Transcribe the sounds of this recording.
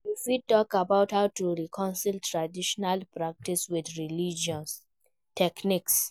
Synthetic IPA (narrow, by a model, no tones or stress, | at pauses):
ifitɔkabaʊthaʊtuɹikʰɔ̃nsiltɹadiʃɔnalpɹak̚tiswidɹilid͡ʒɔ̃ns | tɛkniks